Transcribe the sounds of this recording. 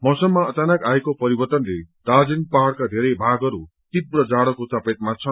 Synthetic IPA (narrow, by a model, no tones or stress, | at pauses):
mʌsʌmːaʌt͡sanakaekopʌɾibʌrt̪ʌnled̪ad͡zinpaɦaɽkad̪ʱeɾʌjbʱaɡʌɾu | t̪ibrʌd͡zaɽʌkot͡sʌpet̪̚mat͡sʰʌ